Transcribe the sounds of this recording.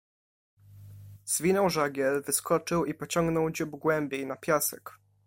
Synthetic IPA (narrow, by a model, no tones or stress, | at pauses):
z̥vʲinɔwʐaɡʲjɛlvɘskɔt͡ʂɘwipɔt͡ɕɔ̃ŋɡnɔwd͡ʑubɡwɛmbʲjejnapʲjasɛ̰k